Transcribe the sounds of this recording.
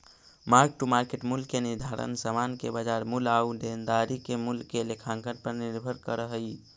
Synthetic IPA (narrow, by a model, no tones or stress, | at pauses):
maɾk̚ʈumaɾkeʈmulːeniɾd̪ʱaɾə̰nsəmankebad͡ʒaːɾmulaud̪end̪aɾikemulkːelekʰãːŋkənpəɾniɾbʱəɾkəɾəɦəi